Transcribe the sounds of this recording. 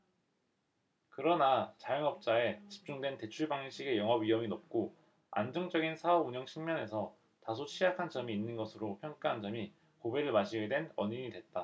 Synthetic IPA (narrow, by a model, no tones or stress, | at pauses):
kɯɾʌnat͡ɕajʌŋʌp̚t͡ɕ͈ae̞t͡ɕi̥p̚t͡ɕ͈uŋdwe̞nte̞t͡ɕʰuɭbaŋiɕʰiɡe̞jʌŋɦʌbɥiʌminop̚k͈o | a̰nd͡ʑʌŋd͡ʑʌɡinsʰaʌbuɲʌŋɕʰiŋmjʌne̞sʰʌ | tasʰot͡ɕʰijakʰant͡ɕʌmiːnːɯnɡʌsʰɯɾopʰjʌŋk͈aɦand͡ʑʌmi | kobe̞ɾɯɭmaɕʰiɡedwe̞nʌɲiɲidwe̞t̚t͈a